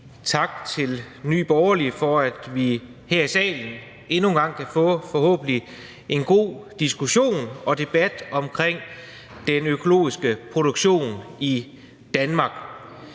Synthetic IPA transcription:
t͡sʰɑ̈ɡ̥̚t͡sʰe̝l | ny̰ːb̥ɒʊɐlifɒ̽æd̥ʋi | heɐ̰isɛ̰ːln̩ | e̝nuːnɡ̥ɑ̈ŋ̰kʰæfɔ̽ːfɒ̽hɔ̰̽ːb̥n̩li | ʔe̝nɡ̥o̝̰ːd̥isɡ̥uɕo̝̰ːnɒ̽d̥e̝b̥æd̥ɒ̽mkʰʁeŋ̰ | d̥enøkʰo̝lo̝̰ːisɡ̥əpʰʁo̝ɾ̥oɡ̥ɕo̝̰ːni | d̥ænmɑ̈ːɡ̥

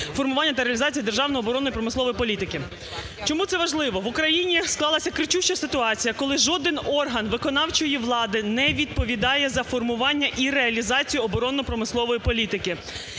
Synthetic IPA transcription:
fɔrmʊʋɑnʲːɐt̪ɐɾeɐlʲizɑt͡sʲijɐd̪erʒɑwnɔjɔbɔɾɔnɔjipɾɔmɪsˠɔʋɔjipɔlʲit̪ɪkɪ | t͡ʃɔmut̪sɛʋɐʒlˠɪʋɔʋʊkɾɐjinʲisklˠɑlˠɐsʲɐkɾɪt͡ʃuʃt͡ʃɐsɪt̪ʊɑt͡sʲijɐkɔlˠɪʒɔd̪ɪnɔrɦɐnʋɪkɔnɑwt͡ʃɔjiʋlˠɑd̪ɪnɛʋʲid̪̚pɔʋʲid̪ɑjɛzɐfɔrmʊʋɑnʲːɐʔiɾeɐlʲizɑt͡sʲijʊɔbɔɾɔnɔpɾɔmɪsˠɔʋɔjipɔlʲit̪ɪkɪ

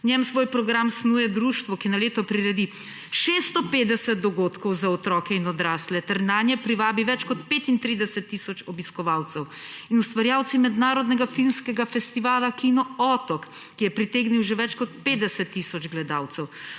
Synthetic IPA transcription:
nʲjɛmsʋoːjpɾɔɡɾamsnuːjɛd̪ɾuːʃt̪ʋɔkinaleːt̪ɔpɾiɾɛd̪i | ʃest̪ɔpeːd̪ɛsɛt̪̚d̪ɔɡot̪kɔwzaɔt̪ɾɔːkɛinɔd̪ɾaːslɛt̪ɛɾnaːnjɛpɾiʋaːbiʋɛt͡ʃkɔt̪peːt̪int̪ɾiːd̪ɛsɛt̪ːisɔt͡ʃɔbiskɔʋaːwt̪sɛw | inust̪ʋaɾjaːwt̪simɛd̪naːɾɔd̪nɛɡafilmskɛɡafɛst̪iʋaːlakinɔɔt̪ɔkː | ijɛpɾit̪eːɡniwʒɛʋɛt͡ʃkɔt̪peːd̪ɛsɛt̪ːiːsɔd͡ʒɡlɛd̪awt̪sɛw

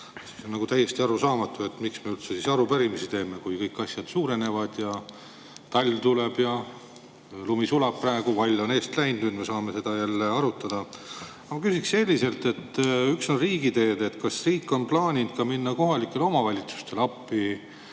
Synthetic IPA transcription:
sisonːɑɡut̪æjːe̞st̪iɑɾusɑːmɑt̪ːˑue̞t̪ːmiksmeylt̪se̞sisɑɾupæɾimisit̪e̞ːmekujkɤjkːɑsjɑd̪̥suːɾe̞ne̞vɑd̪̥jɑ | t̪ɑlʲːt̪ule̞b̥jɑ | lumisulɑb̥̚præeɡ̥uvɑlʲːo̞ne̞ːst̪læjnunmesɑːme̞se̞d̪̥ɑjælːeɑɾut̪ːˑɑd̪̥ɑ | ɑmɑkysiksse̞lʲːise̞lt̪e̞t̪ːykso̞nriːɡid̪e̞ːd̪e̞t̪kɑsriːkːˑo̞nplɑːnʲind̪̥̚kɑminːɑko̞ɦɑlikːˑe̞lo̞mɑvɑlʲit̪su̥st̪e̞lɑpːi

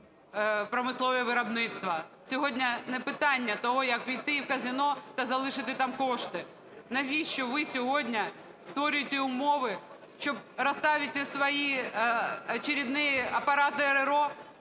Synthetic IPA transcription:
pɾɔmɪslˠɔʋɛʋɪɾɐbnɪt̪st̪ʋɐsʲɔɦɔdʲnʲɐnɛpɪt̪ɑnʲːɐt̪ɔɦɔjɐkʋʲijt̪ɪiwkɐzɪnɔt̪ɐzɐlˠɪʃɪt̪ɪt̪ɑmkɔʃt̪ɪ | nɐʋʲit͡ʃɔʋɪsʲɔɦɔdʲnʲɐ | st̪ʋɔɾʲʊjet̪ʲɛʊmɔʋɪ | ʃt͡ʃɔb̚ɾɐst̪ɑʋʲɪt̪ʲɪsʋɐji | ɐt͡ʃeɾʲid̪nɪjɐpɐɾɑt̪ɪeɾeɾɔ

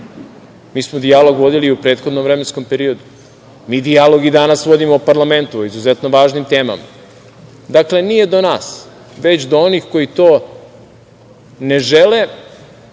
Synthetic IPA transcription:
miːsmod̪ialo̞ɡʋo̞d̪iliupɾeːt̪xo̞d̪nomʋɾemensko̞mpe̞ɾio̞d̪u | miːd̪ialo̞ɡid̪anasʋo̞d̪imoupaɾlˠame̞nt̪uoizuzet̪noʋaːʒnimt̪e̞ːma̰ma̰ | d̪akle̞nije̞d̪o̞naːs | ʋe̞t͡ɕd̪oonixko̞jit̪oː | ne̞ʒele

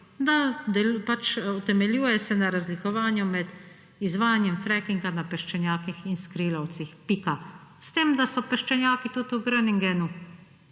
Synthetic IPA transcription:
d̪ad̪ɛlupat͡ʃut̪ɛmɛljuːjɛsɛnaɾazlikɔʋaːnjumɛd̪ | izʋaːjanjɛmfɾɛkiŋɡanapɛʃt͡ʃɛnjaːkixinskɾilawt̪sixpikast̪eːmd̪asɔpɛʃt͡ʃɛnjaːkit̪ut̪uɡɾəniŋɡɛnu

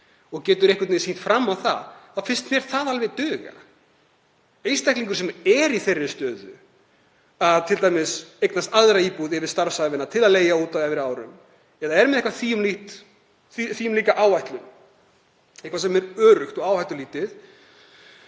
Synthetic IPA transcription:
ɔɣcɛːt̪ʏɾejhkvʏt̪esin̥t̪fɾamːawθa̰ðθaðfɪnst̪mjɛɾ̥θaðalvɛt̪œːɣa̰ | ejst̪ajhkliŋkʏɾ̥sɛmɛɾiθerːɪst̪œːðʏ̰ | aðt̪ʰɪlt̪ajmɪsejknast̪aðɾaiːpuðɪvɪɾ̥st̪aɾ̥savɪnat̪ʰɪlaðleːjauːt̪awɛvɪɾaːwɾʏ̰m | ɛðaɛɾmɪðɛhkvaθiːjʏmliht̪ | θiθiːʏmliːkaʔaːwhajht̪lʏm | ɛhkvasɛmɛɾœːɾʏxt̪ɔɣaːwhajt̪ʏliːt̪ɪθ

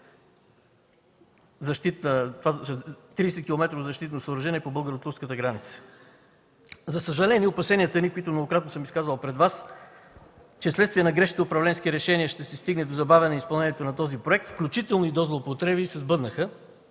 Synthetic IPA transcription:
zɐʃt̪it̪nət̪vat̪ɾiːsɛt̪̚kʲilˠomɛt̪ɾovozɐʃt̪it̪nosəːbɾɐʒɛniɛpobɤlˠɡəɾot̪uɾskət̪əɡɾanit̪sə̥ | zɐsəʒɐlɛnʲiəopɐsɛniət̪ənikoit̪ʊnoɡokɾat̪nosɤmiskazvəlˠpɾɛd̪vas | t͡ʃɛslɛt̪st̪viənɐɡɾɛʃit̪əʊpɾɐvlɛnskiɾɛʃɛniəʃt̪ɛsɛst̪iɡnɛd̪ozɐbavʲɐnɛispɐlˠnɛnʲijɛt̪onɐt̪ɔzipɾoɛk̚t̪fklʲut͡ʃit̪ɛlˠnoid̪ɔzlˠoːpot̪ɾɛbisɛzbɤd̪nəxə

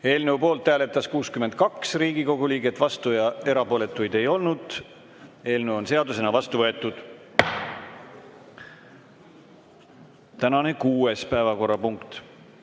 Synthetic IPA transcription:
e̞ːlne̞wpo̞ːlt̪ːæːle̞t̪ːˑɑskuːskymed̪̥̚kɑksriːɡ̥iko̞ɡuliːɡe̞t̪ːˑvɑst̪ujɑe̞ɾɑpo̞ːle̞t̪ːˑujd̪e̞jo̞lnud̪̥ | e̞ːlnewonse̞ɑd̪use̞nɑvɑst̪uvɤe̞t̪ːˑud̪̥ | t̪ænɑne̞kuːe̞spæevɑko̞rːɑpuŋkt̪

